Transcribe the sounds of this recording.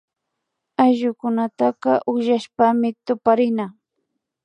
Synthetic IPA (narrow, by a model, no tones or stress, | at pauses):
ajʒʊkʊnat̪aqɑʔʊʒaʃpamɪt̪ʊpaɾɪna